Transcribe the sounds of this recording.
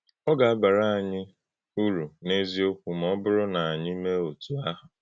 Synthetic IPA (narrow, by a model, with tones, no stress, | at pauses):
ɔ˦ɡa˨a˦ba˨ɾa˦a˨ɲɪ˦ | u˦ɾu˨ne˦zi˦o˦kʷu˨m̩˨ɔ˦bʊ˦ɾʊ˦na˨a˨ɲɪ˦me˦o˨tu˨a˦ɦʊ˨